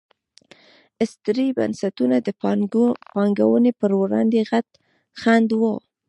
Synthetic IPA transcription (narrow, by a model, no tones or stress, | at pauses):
ɪst̪ɾiba̰nsat̪unad̪ə | pɑŋɡawənepəɾwɾɑ̰nd̪eɣat̪ | xand̪wo